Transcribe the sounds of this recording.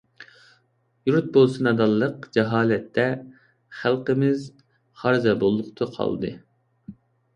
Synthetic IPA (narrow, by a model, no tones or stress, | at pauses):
juɾt̪̚bolˠsɨnɑd̪ɑlˠːəqd͡ʒɛɦɑːlɛt̪ʰːɛ | χælˠqəmɪz | χɑɾzɛbolˠːʊqt̪ʰəqʰɑ̰lˠd̪ɨ̰